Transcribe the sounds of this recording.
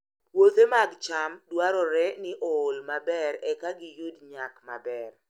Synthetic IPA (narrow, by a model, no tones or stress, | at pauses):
pwot̪emaɡt͡ʃamdwaɾɔɾɛnɪʔɔːlmabɛɾɛkaɡɪjudɲakma̰bɛr